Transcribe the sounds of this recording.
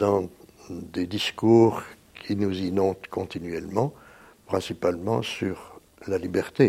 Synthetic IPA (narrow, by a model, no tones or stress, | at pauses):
d̪̥ɑ̃d̪ed̪iskuːʁkʲʰinuzinɔ̃t̪kɔ̃t̪inɥɛlmɑ̃pχɛ̃sipalmɑ̃syʁ | lalibɛʁt̪e